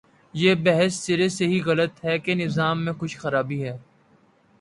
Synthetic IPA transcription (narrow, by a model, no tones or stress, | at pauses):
jeːbɛɦəsːɪɾeseɦiɣɐlət̪ɦɛkenɪzaːmːẽxʊʃʰxɐɾaːbiɦɛː